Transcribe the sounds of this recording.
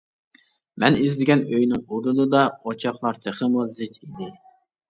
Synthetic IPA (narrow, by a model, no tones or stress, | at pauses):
mɛnizlɪɡʲɛnøjnɪŋuɾunɨd̪ɑot͡ʃʰɑχlˠɑɾt̪ʰeχəmuzɪt̪ʰid̪ɪ